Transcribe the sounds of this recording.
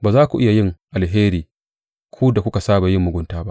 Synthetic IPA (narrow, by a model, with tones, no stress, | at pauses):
baː˨zaː˦kʷu˨ʔɪ˦ja˨jɪ˦ŋʔa˨lɦeː˦ɾiː˨ | kʰʷuː˦da˨kʷʊ˦ka˨saː˦ba˨jɪ˦mːʊ˨ɡʷʊ˦ntaː˦ba˦ʔ